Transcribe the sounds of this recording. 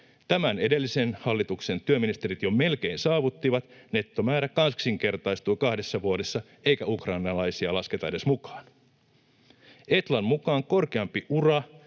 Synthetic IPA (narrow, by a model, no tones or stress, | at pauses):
t̪æmæne̞de̞lːise̞nhɑlːit̪ukse̞nt̪yøminist̪e̞ɾit̪jome̞lk̟e̞insɑːʋut̪ːiʋɑt̪ne̞t̪ːo̞mæːɾækɑnsksiŋk̟e̞rt̪ɑjst̪ujkɑhde̞sːɑʋuodesːɑ | e̞jkæukrɑjnɑlɑjsiɑlɑske̞t̪ɑe̞de̞smukɑ̥ːn | e̞t̪lɑmmukɑːŋko̞rkeɑmpiʔurɑ